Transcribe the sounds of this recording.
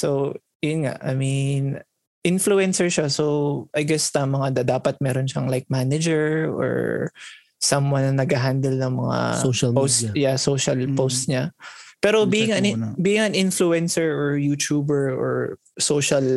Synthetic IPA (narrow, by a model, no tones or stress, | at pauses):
sow | jʊnŋa̰ʔɐmin | ʔɪnfluɛnsɛɹʃasowʔɐjɡɛst̪ɐmɐŋad̪ɐd̪aːpɐt̪̚mɛːɾonʃaŋlajk̚manɐd͡ʒɛɹo̰ɹ | sɐmwɐnɐnːɐɡaɦand̪ɛlnɐŋmɐŋa̰oʃɐlposjasoːʃɐlpostɲapɛːɾo̞biɪŋanbiːɪŋɐnʔɪnfluɛnsɛɹɔɹjut̪uːbɛɹɔ̰ɹ | soːʃɐl